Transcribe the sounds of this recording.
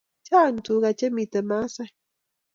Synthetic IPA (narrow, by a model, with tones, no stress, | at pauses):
t͡ʃa˦˨n˨t̪u˨˦ɣa˨t͡ʃe˦mi˨t̪e˨ma˦sa˦